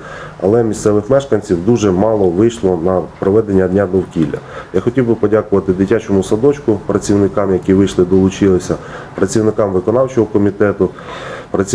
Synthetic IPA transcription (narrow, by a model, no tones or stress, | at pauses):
ɐ̰lˠɛmʲist̪sɛʋɪxmɛʃkɐnʲt͡sʲiwd̪uʒɛmɑlˠɔʋɪjʃlˠɔnɐpɾɔʋɛd̪enʲːɐd̪ʲnʲad̪ɔwkʲilʲːɐ̰jaxɔtʲiwbɪpɔdʲakʊʋɐt̪ɪd̪ɪtʲat͡ʃɔmʊsɐd̪ɔt͡ʃkʊpɾɐt͡sʲiwnɪkɑmjɐkʲiʋɪjʃlˠɪd̪ɔlˠʊt͡ʃɪlˠɪsʲɐpɾɐt͡sʲiwnɪkɑmʋɪkɔnɑwt͡ʃɔɦɔkɔmʲit̪ɛt̪ʊ | pɾɐt͡sʲi